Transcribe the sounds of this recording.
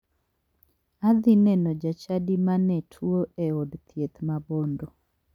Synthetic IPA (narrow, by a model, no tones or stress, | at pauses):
ad̪inɛnɔd͡ʒat͡ʃadimanɛtʰwoeɔdt̪jet̪mabondo